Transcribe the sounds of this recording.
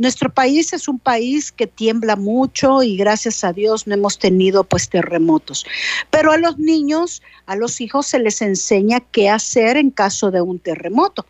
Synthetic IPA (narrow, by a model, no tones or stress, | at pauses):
nwe̞st̪ɾo̞paise̞sumpaiske̞t̪je̞mblamut͡ʃo̞iɣɾasjasaðjo̞snoe̞mo̞st̪e̞nið̞o̞pwe̞st̪e̞re̞mo̞t̪o̞spe̞ɾoalo̞znĩɲo̞s | alo̞sixo̞sːe̞le̞se̞nse̞ɲake̞ase̞ɾe̞ŋkaso̞ðe̞unt̪e̞re̞mo̞t̪o̞